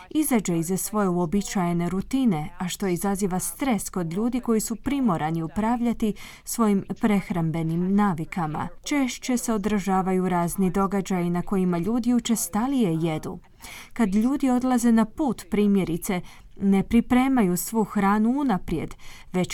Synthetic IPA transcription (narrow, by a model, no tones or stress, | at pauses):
izad͡ʒeizasʋo̞jeuo̞bit͡ʃaje̞neɾut̪ine̞aʃt̪o̞izaziːʋast̪ɾe̞sko̞d̪ʎuːd̪iko̞jisupɾimo̞ɾʔaniupɾaːʋʎat̪i | sʋo̞jimpɾe̞xɾambe̞nimnaːʋikama̰t͡ʃe̞ʃt͡ʃe̞se̞o̞d̪ɾʒaːʋajuɾaːznid̪o̞ɡad͡ʒajinako̞jimaʎuːd̪iut͡ʃe̞st̪alije̞je̞d̪ṵ | kad̪ʎuːd̪io̞d̪lˠaze̞napuːt̪pɾiːmje̞ɾit̪se̞ | ne̞pɾipɾe̞ːmajusʋuːxɾaːnuunapɾje̞̰d̪ʋe̞t͡ʃ